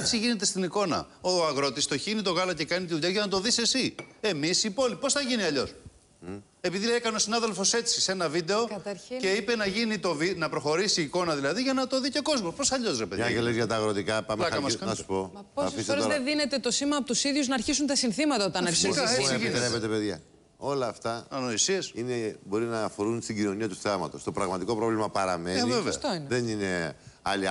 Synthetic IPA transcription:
et͡siʝine̞t̪̬e̞st̪iniko̞nɐ̰oɐɣɾo̞t̪ist̪o̞çinit̪o̞ɣɐlɐce̞kɐnit̪iðuʎɐʝɐnɐt̪̬o̞ðise̞sie̞misipo̞lipo̞sθɐʝiniɐʎo̞s | e̞piðiekɐneo̞sinɐðe̞lfo̞se̞t͡si̥se̞nɐvid̪e̞o̞ɐt̪ɐɾce̞ipe̞nɐʝinit̪o̞vinɐpɾo̞xo̞ɾisiːko̞nɐðilɐðiʝɐnɐt̪oðiceko̞zmospo̞sθɐʎo̞sɾepeðɐelezʝɐt̪ɐːɣɾot̪ikɐpɐmɐkɐmɐskɐ̥o̰ɐpoɐsefissɾeðeðine̞t̪et̪o̞simɐɐpot̪usiðʝuznɐːɾçis̬unt̪ɐsinθimɐt̪ɐot̪ɐneɾssinɾepet̪epeðʝɐ | o̞lɐːft̪ɐɐnoisiɐsinebo̞ɾinɐːfo̞ɾunst̪iɟino̞niɐt̪uθɐmɐt̪o̞st̪o̞pɾɐɣmɐt̪iko̞pɾo̞vlimɐpɐɾɐmenivevesɐt̪oineðenine̞ɐli

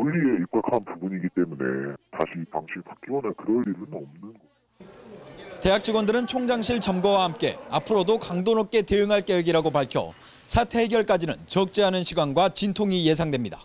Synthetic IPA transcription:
uʎːieip̚k͈akʰanpubuɲiɡit͈e̞mune̞̰taɕʰipaŋɕʰiɸak͈̚iwʌnakɯɾʌɭiɾɯnʌmnɯnɡʌ | te̞ɦak̚t͡ɕ͈iɡwʌndɯɾɯnt͡ɕʰoŋd͡ʑaŋɕʰiɭt͡ɕʌmɡʌwahamk͈e̞̰apʰɯɾodokaŋdonop̚k͈e̞teɯŋɦaɭk͈eweɡiɾaɡopaɭkʰjʌ̰ | sʰatʰeɡjʌɭk͈ad͡ʑinɯ̰nt͡ɕʌk̚t͡ɕ͈eɦanɯnɕʰiɡwanɡwat͡ɕintʰoŋije̞sʰaŋdwe̞mɲidḁ

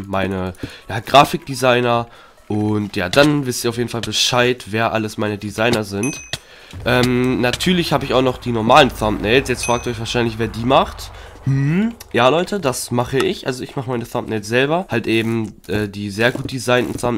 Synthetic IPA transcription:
maɪnəjaːɡ̥ʁaːfɪk̚d̥izaɪnɐ | ʔʊntjaːd̥anvɪstiɐaʊfjeːdn̩falbəʃaɪtv̥eːɐʔaləsmaɪnədizaɪnɐzɪnt | ʔɛːmnatʰyːɐlɪçhaːbəɪçaʊxnɔχd̥iːnɔɐmaːlənθamtnɛɪtsjɛt͡stfʁ̥aːktʔɔçv̥aːɐʃaɪnlɪçveːɐdiːmaχtmm̩jaːlɔʏtədasmaχəɪçʔalzoɪçmaχəmaɪnəθamtnɛːsz̥ɛlbɐhaltʔeːbm̩ʔɛːdiːzeːɐɡuːtd̥izaɪnn̩θam

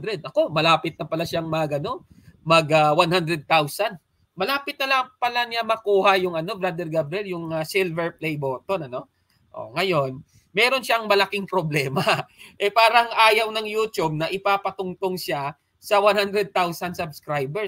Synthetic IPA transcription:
d̪ɾɛd̪ʔɐko̞mɐlaːpɪt̪̚nɐpɐlaʃaŋmɐɡɐno̞ | mɐɡɐwanhand̪ɾɛd̪̚t̪awsɐnd̪ | mɐlaːpɪt̪nɐlɐpɐlanɪamɐkuːhajʊŋʔɐno̞bɾad̪ɛɾɡabɾɛljʊŋɐsilvɛɹplɛjbo̞ːt̪o̞nɐno̞ | ʔo̰ŋɐjo̞n | mɛːɾo̞nʃaʔɐŋmɐlɐkiŋpɾoblɛːmaʔɛpaːɾɐŋʔaːjɐwnɐŋjuːt̪jub̚nɐʔɪpaːpɐt̪ʊŋt̪oŋʃa | sɐwanhand̪ɾɛd̪̚t̪awsɐnd̪sɐbskɾajbɛ

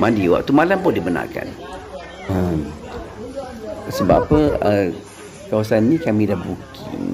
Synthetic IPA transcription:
mandiwa̰ʔt̪umalampʊndibəna̰rka̰n | əm | səba̰pəə | kawasanːĩkamĩdahbukʰ | ḭn

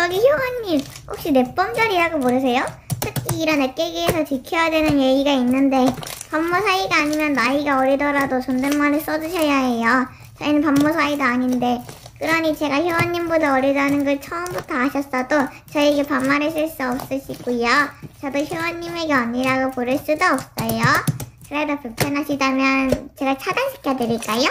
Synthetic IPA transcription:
t͡ɕʌɡiçjowʌɲːim | ɸok̚ɕ͈ine̞p͈ʌmd͡ʑaɾiɾaɡoboɾʌs̬ʰe̞jo | tʰɯkʰiːɾʌnek͈eɡiesʰʌt͡ɕikʰjʌjadwenɯnjeɡiɡainːɯnde̞pamːosʰaiɡaːɲimjʌnːaiɡaʌɾiɭdʌɾadot͡ɕʌndemmanes͈ʌd͡ʑuɕʰʌjaɦe̞jo | t͡ɕʌinɯnpamːos̬ʰaidoaɲinde̞ | kɯɾʌɲit͡ɕe̞ɡaçjowʌɲːimbodaʌɾiɭdanɯnɡʌɭt͡ɕʰʌɯmbutʰʌaɕʰʌs͈ʌdo | t͡ɕʌieɡepamːaɾes͈ʰɯɭs͈uʌp̚s͈ɯɕʰiɡujot͡ɕʌdoçjowʌɲːime̞ɡeʌnːiɾaɡopoɾjʌɭs͈udoʌp̚s͈ʌjokɯɾedopepʰanɦaɕʰidamjʌnt͡ɕe̞ɡat͡ɕʰadanɕʰi̥kʰjadweɾiɭk͈ajo

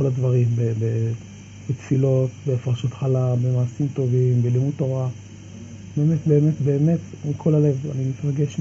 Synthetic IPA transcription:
olad̪vaʁimbebe | bet̪filo̞t̪beːfʁaʃut̪χalabe̞maːsimt̪o̞vimbelimud̚tːo̞ʁa | be̞ːme̞t̪be̞ːme̞tbe̞ːme̞t̪mikʰo̞lale̞va̰nimit̪ʁaɡeʃ

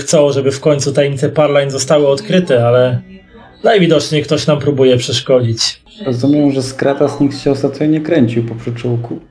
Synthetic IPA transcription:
xt̪sɔ̃w̃ʐɛbɘfkɔɲʲt̪sut̪ajɛɲit̪sɛpaɾlajnzɔst̪awɘɔt̪kɾɘt̪ɛalɛ | d̪ajvʲid̪ɔt͡ʂɲɛkt̪ɔɕnampɾubujɛpʂɛʂkɔd͡ʑit͡ɕ | ɾɔzumʲjɛwʐɛskɾat̪asɲikt̪ɕɛɔst̪at̪ɲɔɲɛkɾɛɲt͡ɕiwpɔpʂut͡ʂuwku

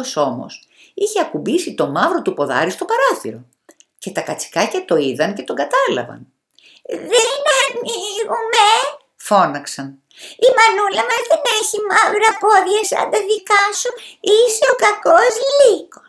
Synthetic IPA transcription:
oso̞mo̞̰s | içe̞ɐkubisit̪o̞mɐvɾo̞t̪upo̞ðɐ̰ɾist̪o̞pɐɾoθḭɾo̞̰ | ce̞t̪ɐkɐt͡si̥kɐcɐt̪o̞iðɐnce̞t̪o̞ŋɡɐt̪ɐlɐ̰vɐ̰n | ðeneɐniɣume | fo̞nɐksɐn | imɐnulɐmɐzðe̞neçimɐvɾɐpo̞ðʝɐsɐ̰nd̪ɐðikɐsuiseokɐkozliko̥s

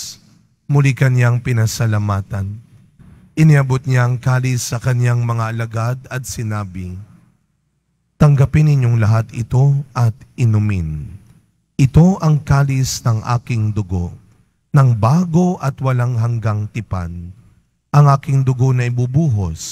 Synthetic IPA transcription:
mʊlikɐnjaŋpɪnɐsɐlɐmaːt̪ɐn | ʔɪnɪɐbot̪̚ɲaɐŋkaːlɪsːɐkɐnjaŋmɐŋaʔɐlɐɡad̪ɐt̪̚sɪnaːbɪ | t̪ɐŋɡɐpɪnːɪɲjo̞ŋlɐɦat̪ɪt̪o̞ʔɐt̪ɪnʊmɪn | ʔɪt̪o̞ʔɐŋkaːlɪsnɐŋʔa̰ːkɪŋd̪ʊɡo̰ | nɐŋbaːɡo̞ʔɐt̪wɐlaŋɦɐŋɡaŋt̪ɪpa̰n | ʔɐŋʔaːkɪŋd̪ʊɡo̞nɐʔɪbubuːɦos

